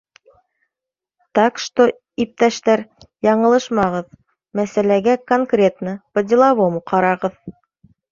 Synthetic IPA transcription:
t̪ɑqʃt̪o | ip̚t̪æʃt̪æɾ | jɑɴɤ̆lˠɤʃmɑʁɤð | mæsælæɡækoŋkrʲe̞t̪nɤpɤ̆d̪ʲilˠɑβomqɑɾɑʁɤð

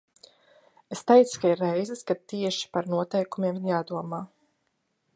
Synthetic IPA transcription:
est̪ɛjt̪skaiɾːɛjzɨskat̪iɛʃi̥paɾnuɔt̪ɛjkumiɛmiɾjaːd̪uɔmaː

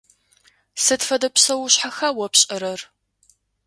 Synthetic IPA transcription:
sɨtfɐdɐpsɐwʊɕħaxawɔpɕʼɐɾɐr

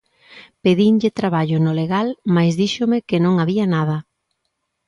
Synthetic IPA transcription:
peðiɲʎɪt̪ɾaβaʎʊnʊleɣalmajzðiʃomekenõŋaβianaðɐ

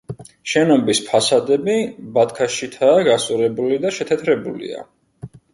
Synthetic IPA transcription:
ʃɛnɔmbispʰasad̪ɛbibat̪̚kʰaʃit̪ʰaːɡasʼuɾɛbulid̪aʃɛt̪ʰɛt̪ʰɾɛbulḭa̰

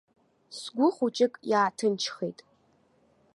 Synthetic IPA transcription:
sɡʷʊχʷut͡ʃʼɪkʼjaːtʰɨnt͡ʃʰχejtʼ

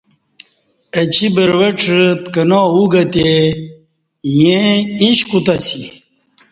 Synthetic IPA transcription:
ət͡ɕibəɾwəʈ͡ʂt̪kənoːuɡɐt̪e | jẽĩɕkut̪asi

